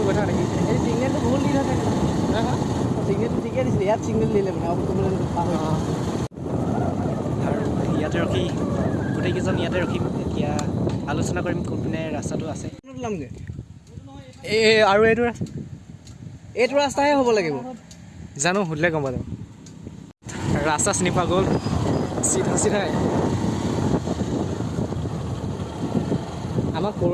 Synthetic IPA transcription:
ɡɔtʰanakielisiɡnɛttʊboɦutnidʱanakɦãsiɡnɛttːutʰikjadisilɛijatsiɡ̚nɛllilɛmanɛaʊkɔtɔbɔlɛnpaɦɔ̃ | aɹuijatɛɹɔkʰiɡutejkɛzɔnijatɛɹɔkʰimetijaalusɔnakoɹimkopinɛɹastatʊasɛnɔtlamnɛ | aɹuejtʊɹas | etʊɹastaɦɛɦobɔlaɡibɔ | zanʊɦudlɛɡɔmpadɛ | ɹastasinipaɡol | sitɦusitɔj | amako

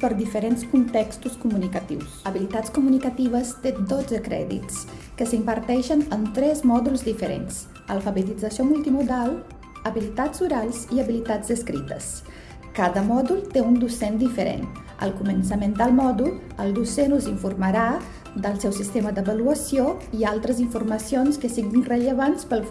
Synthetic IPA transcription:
pəɾd̪ifəɾenskunt̪ɛkst̪uskumunikət̪ḭwsəβilit̪askumunikət̪iβ̞əst̪ed̪od͡zəkɾɛ̰ðḭt͡s | kəsimbəɾt̪ɛʃənənt̪ɾɛzmɔðulˠzd̪ifəɾḛns | ə̰lˠfəβət̪id͡zəsiomulˠt̪imuðalˠ | əβilit̪azuɾalˠziəβilit̪ad͡zd̪əskɾḭt̪ə̰s | kaðəmɔðulˠt̪eund̪usend̪ifəɾḛn | ə̰lˠkuməns̬əmend̪əlˠmɔðul | əlˠd̪usenuziɱfurməɾa | d̪əlˠsɛwsist̪eməd̪əβəluəsioialˠt̪ɾəziɱfurməsionskəsiɣinrəʎəβanspəlˠ

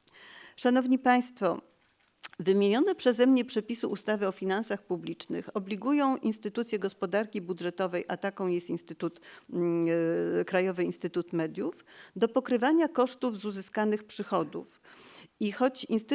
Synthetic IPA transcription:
ʂanɔvɲipaj̃st̪fɔ | vɘmʲjeɲɔnɛpʂɛzɛmɲɛpʂɛpʲisuʔust̪avɘɔfʲinansaxpublʲit͡ʂnɘ̰xɔblʲiɡujɔ̃w̃ʔinst̪ɘt̪ut̪sʲjɛɡɔspɔd̪aɾkʲibudʐɛt̪ɔvɛjʔat̪akɔ̃w̃jɛst̪inst̪ɘt̪ut̪ | kɾajɔvɘinst̪ɘt̪ut̪mɛd̪ʲjufd̪ɔpɔkɾɘvaɲakɔʂt̪uvzuzɘskanɘxpʂɘxɔd̪ṵfixɔt͡ɕinst̪

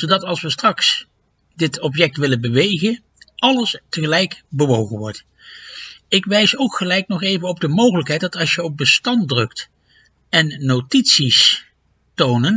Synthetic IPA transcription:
z̥owdɑtɑlˠsʋəstrɑks | dɪtʰɔp̬jɛk̚tʋɪlənbəʋejχən | ʔɑləstəχəlɛjkbəʋowχəʋɔɹt | ɪkʋɛjsowkχəlɛjknɔχejvənɔb̚dəmowχələkɦɛjt̚dɑtɑlˠsjəɔp̚bəstɑntdrɵkt | ɛnːotitsis | townən

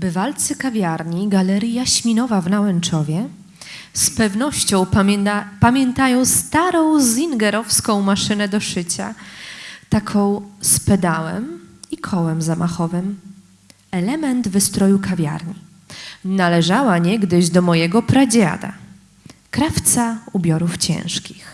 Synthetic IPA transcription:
bɘvalt̪sɘkavʲjaɾɲiɡalɛɾʲjaɕmʲinɔvavnawɛnt͡ʂɔvʲjɛ | spɛvnɔɕt͡ɕɔ̃w̃pamʲjɛnt̪ajɔ̃w̃st̪aɾɔ̃w̃zʲiŋɡɛɾɔfskɔ̃w̃maʂɘnɛd̪ɔʂɘt͡ɕa̰ | t̪akʰɔ̃w̃spɛd̪awɛ̰mikʰɔwɛmzamʔaxɔvɘm | ɛlɛmɛnd̪vɘst̪ɾɔjukavʲja̰ɾɲi | nalɛʐawaɲɛɡd̪ɘʑd̪ɔmɔjɛɡɔpɾad͡ʑa̰d̪a̰ | kɾaft̪saubʲjɔɾuft͡ɕɛ̰̃w̃ʂkʲix

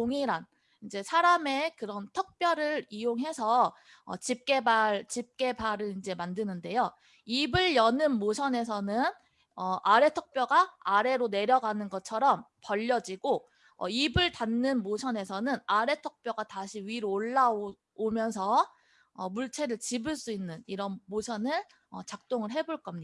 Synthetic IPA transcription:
oŋiɾan | ind͡ʑe̞sʰaɾame̞kɯɾʌntʰʌk̚p͈jʌɾɯɾijoŋɦe̞sʰʌ̰ː | t͡ɕip̚k͈e̞baɭt͡ɕip̚k͈e̞baɾɯɾind͡ʑe̞mandɯnɯnde̞jo | ibɯɭjʌnɯnmosʰʌne̞s̬ʰʌnɯn | ʌʔaɾe̞tʰʌk̚p͈jʌɡaːɾe̞ɾone̞ɾjʌɡanɯnɡʌt͡ɕʰʌɾʌmpʌʎːʌd͡ʑiɡo | ʌ̰ibɯɭtanːɯnmosʰʌne̞sʰʌnɯnaɾe̞tʰʌk̚p͈joɡataɕʰiɥiɾoɭːa | omjʌnsʰʌ | ʌmuɭt͡ɕʰe̞ɾɯɭt͡ɕibɯɭs͈uinːɯniɾʌnmosʰʌnɯn | ʌt͡ɕak̚t͈oŋɯɭɦe̞boɭk͈ʌmɲia

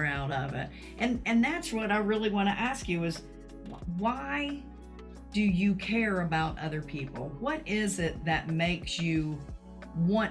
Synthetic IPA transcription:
aʊɾʌvɪ̰t̚ | ʔɨ̃nɨ̃nðætswʌɾaɪɹɪlˠiwɑ̃ɾ̃ɨ̰ʔæskjɨɪz | waɪ | d̥ɨjɨkʰɛɹɨbaʊɾʔʌ̰ðə˞pʰipl̩ˠwʌɾɪzɪt̪̚ðɨt̚meɪksjɨ | wɑ̃

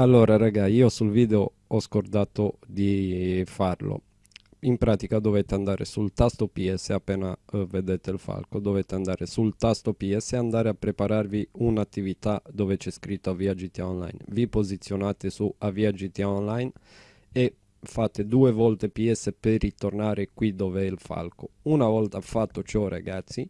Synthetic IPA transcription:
alːoːɾaɾaɡaiːosulviːd̪eo | ɔskord̪aːt̪od̪ifarlo̰ | impɾaːt̪ikad̪ovet̪ːeand̪aːɾḛsult̪ast̪opiɛsːeapːɛːnaved̪et̪eilfa̰lkod̪ovet̪eand̪aːɾesult̪ast̪opiɛsːeand̪aːɾeapːɾepaɾarviunat̪ːivit̪ad̪oːvet͡ʃɛskɾit̪ːoaviad͡ʒit̪aonla̰jnvipozit̪sːjonat̪esuaviad͡ʒit̪aonlajn | e | fat̪ːed̪uːevɔlt̪epiɛsːeperːit̪ornaːɾekwid̪oːveɛilfa̰lkounavɔlt̪aafat̪ːot͡ʃɔra̰ɡat̪sːi

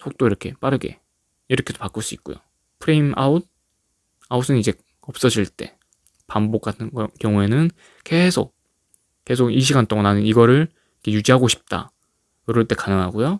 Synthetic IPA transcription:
sʰok̚t͈oiɾʌkʰe̞p͈aɾɯɡe̞̰ | iɾʌkʰe̞dopak͈ɯɭs͈uit̚k͈o̰jo̰ | pʰɯɾeima̰ud̚ | aus͈ʰɯnid͡ʑe̞ | ʌp̚s͈ʌd͡ʑiɭt͈e̞̰ | pambok͈atʰɯnkjʌŋue̞nɯn | ke̞sʰo̰k̚ | k͈e̞sʰoɡiɕ̬ʰiɡant͈oŋananɯniɡʌɾɯɭ | ikʰe̞jud͡ʑiɦaɡoɕʰi̥p̚t͈a̰ | kɯɾʌɭt͈e̞kanɯŋɦaɡojo

